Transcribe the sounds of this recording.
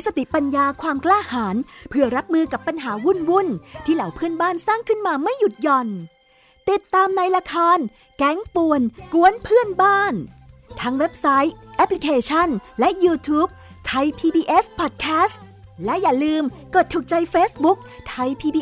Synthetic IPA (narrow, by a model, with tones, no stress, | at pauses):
sa˧t̪i˨˩pa˧njaː˧kʰwaː˧mklaː˥˩haː˩˦npʰɯ˥˩ɐɾa˦˥p̚mɯː˧ka˨˩pːa˧nɦaː˩˦wu˥˩nwu˥˩nt̪ʰiː˥˩ɾa˩˦wpʰɯ˥˩ənbaː˥˩nsaː˥˩ŋkʰɯ˥˩nmaː˧ma˥˩jːu˨˩t̪̚jɔ˨˧˩n | t̪i˨˩t̪ːaː˧mna˧jla˧kʰaː˧n | kɛ˦˥ŋpu˧˩ənku˧˥ənpʰɯ˥˩ənbaː˥˩nt̪ʰa˦˥ŋwe˦˥p̚sa˦˥jʔɛ˦˥pʰli˧kʰeː˧t͡ɕʰa˥˩nlɛ˦˥ʔjuː˧t̪ʰuː˦˥p̚ | t̪ʰa˧jpʰiː˧biː˧ʔe˦˥spʰɔː˨˩t̪̚kʰɛː˦˥st̪ | lɛ˦˥jaː˨˩lɯː˧mkɤː˨˩t̪ʰːu˨˩k̚t͡ɕa˧jfeː˦˥sbu˦˥k̚t̪ʰa˧jpʰiː˧biː˧